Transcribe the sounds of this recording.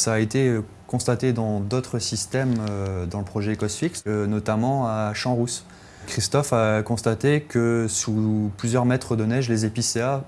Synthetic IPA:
saːet̪eø | kɔ̃st̪at̪ed̪ɑ̃d̪ot̪χəsist̪ɛmød̪ɑ̃ləpχɔʒɛkɔsfiksnɔt̪amɑ̃aʃɑ̃ʁus | kχist̪ɔfakɔ̃st̪at̪ekəsuplyzjœʁmɛt̪χəd̪ənɛʒlezepisea

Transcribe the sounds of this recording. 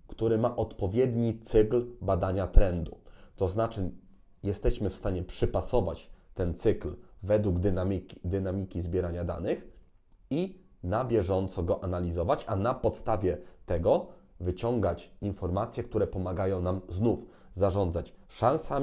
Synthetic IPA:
kt̪uɾɘmaʔɔt̪pɔvʲjɛd̪ɲit̪sɘklbad̪aɲat̪ɾɛnd̪ut̪ɔznat͡ʂɘ | jɛst̪ɛɕmɘfst̪aɲɛpʂɘpasɔva̰t͡ɕt̪ɛnt̪sɘklvɛd̪wuɡd̪aid̪ɘnamʲikʲizbʲjɛɾaɲad̪a̰nɘx | i | nabʲjɛʐɔnt̪sɔɡɔʔanalʲizɔvat͡ɕanapɔt̪st̪avʲjɛt̪ɛɡɔvɘt͡ɕɔŋɡat͡ɕinfɔɾmat̪sʲjɛk̚t̪uɾɛpɔmaɡajɔ̃w̃namznuf | zaʐɔnd̪zat͡ɕʂãñsa

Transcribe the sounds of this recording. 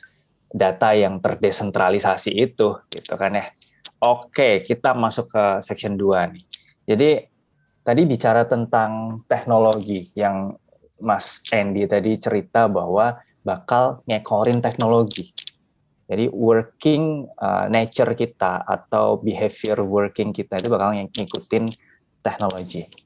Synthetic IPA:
dat̪ajaŋt̪ərdesɛnt̪ɾalisasiːt̪ʊɡ̥ḭt̪ukanjah | okekit̪amasʊkːəsɛkʃɔnduanɪh | d͡ʒadi | t̪adibit͡ʃaɾat̪ənt̪aŋt̪ɛk̚noloɡijaŋ | masɛndit̪adit͡ʃəɾit̪abahwa | bakalŋekʰoɾɪnt̪ɛk̚noloɡi | d͡ʒadiwərkɪŋə̰net͡ʃərkit̪aa̰t̪awbiɦefiərwərkɪŋkit̪ait̪ubakalŋikut̪ɪn | t̪ɛk̚noloɡi

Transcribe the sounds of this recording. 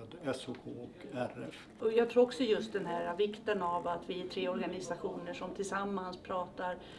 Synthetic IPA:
d̪ɛsʊkʰoːɔkæɾɛf | ɔjɑɡt̪ʰɾuːɾɔksɔjɵst̪̚d̪ɛnɦæːɾavɪkt̪ənavat̪vɪæʈ̪ʰɾeːɔɾɡanɪsaɧuːnəʂɔmt̪ʰɪlsamːanspʰɾɑːt̪aɾ

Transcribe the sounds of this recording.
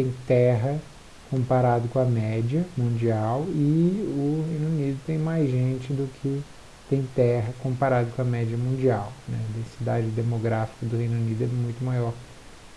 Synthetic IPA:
t̪ẽj̃t̪ɛɦɐ | kõpaɾad̪ʊkõɐmɛd͡ʒɐmũd͡ʒiawɪʊhẽj̃nunid̪ʊt̪ẽj̃majzʒẽnt͡ʃɪd̪ʊkʰɪ | t̪ẽj̃t̪ɛɦɐkõmpaɾad̪ɐkõɐmɛd͡ʒɐmũd͡ʒiawnɛ̰d̪ẽsid̪ad͡ʒɪd̪emoɡɾafi̥kɐd̪ʊhẽj̃nunid̪ʊɛmũj̃t̪ʊmajɔɾ

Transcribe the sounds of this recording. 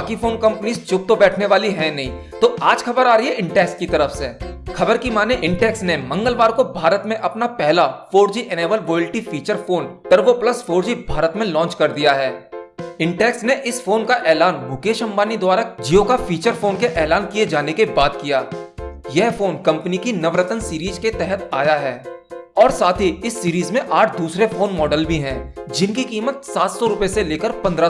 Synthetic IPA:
baːkifoːnkɐ̃mpniːzt͡ʃʊp̚t̪obɛːʈʰneʋaːliɦɛ̃nɐɦĩ | t̪oːaːd͡ʒxʰɐbəɾaːɾɐɦiɦɛɪ̃ɳʈɛːkskit̪ɐɾəfsexɐbəɾkimaːneʔɪ̃ɳʈɛːksnemɐ̃ŋɡəlʋaːɾkobʱaːɾət̪mẽʔɐpnapɛɦlafoːɾd͡ʒiʔɛneːʋəlʋoːɪlʈifiːt͡ʃəɾfoːnʈɐɾʋopləsfoːɾd͡ʒibʱaːɾət̪mẽlɔ̃ːnt͡ʃkɐɾd̪ijaɦɛːɪ̃ɳʈɛːksneʔɪsfoːnkaʔɛːlaːnbʱʊkeːʃə̃mbaːnid̪ʊwaːɾad͡ʒijokafiːt͡ʃəɾfoːnkeʔɛːlaːnkijed͡ʒaːnekebaːd̪kijaːjɛɦfoːnkɐ̃mpənikinɐʋɾət̪ənsiːɾiːzket̪ɛɦət̪aːjaɦɛːɔːɾsaːt̪ʰiɪsːiːɾiːzmẽʔaːʈʰd̪uːsɾefoːnmɔːɖəlbʱiɦɛ̃ːd͡ʒɪnkikiːmət̪saːt̪sɔɾʊpeseleːkəɾpɐ̃nd̪ɾa

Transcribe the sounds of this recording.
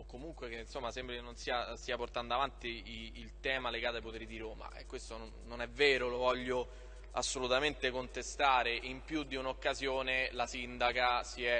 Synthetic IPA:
okːomuŋkwek̟einsomːasɛmbɾekenːonsiːast̪iːaport̪and̪oavant̪iilt̪ɛːmaleɡaːt̪odajpot̪ɛɾid̪iɾoːma̰ɛ̰kːwest̪ononːonɛvːɛːɾolovɔʎːo | a̰sːolut̪ament̪ekont̪est̪aːɾeʔimpjud̪ːiunokːazjoːnelasind̪akasiɛ

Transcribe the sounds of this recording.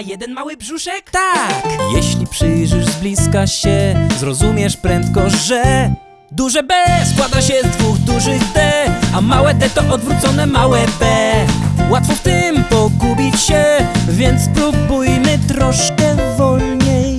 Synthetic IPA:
jɛd̪ɛnmawɘbʐuʂɛkt̪akjɛɕlʲipʂɘjʐɘʐzblʲiskaɕɛzɾɔzumʲjɛʂpɾɛnt̪kɔʐɛ | d̪uʐɛbɛskwad̪aɕɛzd̪vuɣd̪uʐɘɣd̪ɛamawɛd̪ɛt̪ɔʔɔd̪vɾut̪sɔnɛmawɛbɛ | wat̪fɔft̪ɪmpɔɡubʲit͡ɕɕɛvʲjɛnt̪spɾubujmɘt̪ɾɔʂkɛvɔlɲej

